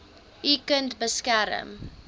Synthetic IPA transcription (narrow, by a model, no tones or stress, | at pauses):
ʔikəntbəskæɾə̰m